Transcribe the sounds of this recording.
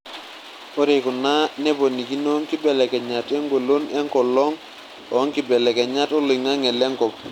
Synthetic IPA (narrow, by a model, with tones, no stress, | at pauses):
o˦ɾe˨ku˨na˦ne˦bo˨ni˨ki˦no˦ŋki˦be˨le˨ke˨ɲa˨te˦ŋɡo˨lo˦ne˦ŋko˨lo˦ŋ | o˨˦ŋki˨be˨le˨ke˨ɲa˦tu˦li˨ŋa˦ŋe˨le˦ŋkɔ˨p̚